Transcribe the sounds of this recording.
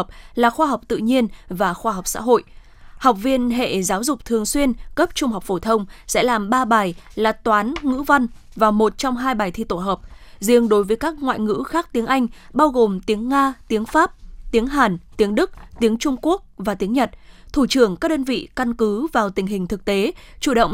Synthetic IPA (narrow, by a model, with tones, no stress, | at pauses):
ə˨˩p̚laː˨˩xwaː˧ɦa˨˩wk͡p̚t̪ɨ̰˧˨ɲi˧ənvaː˨˩xwaː˧ɦɔ˨˩wk͡p̚sa̰ː˧˥ɦo̰˧˨jʔ | hɔ˨˩wk͡p̚vi˧ənɦḛ˧˨zaː˨˦wzʊ˨˩k͡p̚t̪ʰɨ˨˩əŋswi˧ənkə˦˥p̚t͡ɕʊ˧ŋ͡mɦɔ˨˩k͡p̚fo˧˩t̪ʰə˧wŋ͡msɛ̰˧˥laː˨˩mɓaː˧ɓaː˨˩jlaː˨˩t̪waː˨˦nŋɨ̰˧˥va˧n | vaː˨˩wmo˨˩t̚t͡ɕɔ˧wŋ͡mɦaː˧jɓaː˨˩jt̪ʰi˧t̪o˧˩ɦəː˨˩p̚zi˧əŋɗo˨˦jvəː˨˦jkaː˦˥k̚ŋwa̰ː˧˨jŋɨ̰˧˥xaː˦˥k̚t̪i˨˦əŋʔa˧jŋ̟ɓaː˧wɣo˨˩mt̪i˨˦əŋːaː˧t̪i˨˦əŋfaː˦˥p̚t̪i˨˦əŋɦaː˨˩nt̪i˨˦əŋɗɨ˦˥k̚t̪i˨˦əŋt͡ɕʊ˧ŋ͡mku˦˥ək̚vaː˨˩t̪i˨˦əŋɲə˨˩t̚t̪ʰu˧˩t͡ɕɨ˧˩əŋkaː˦˥ɗəː˧nvḭ˧˨ka˧nkɨ˨˦vaː˨˩wt̪ï˨˩ŋ̟ɦï˨˩ŋ̟t̪ʰɨ˨˩k̚t̪e˨˦t͡ɕu˧˩ɗə̰˧˨wŋ͡m